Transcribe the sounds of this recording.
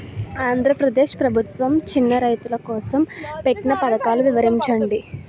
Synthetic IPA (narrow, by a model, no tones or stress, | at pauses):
aːnd̪ʱɾɐpɾɐd̪e̞ːʃpɾɐbʱut̪ʋɐmt͡ʃinːɐɾɐjt̪ulɐkɔːsɐmpe̞ʈːinɐpɐd̪ɐkaːluʋiʋɐɾiɲt͡ʃɐɳɖi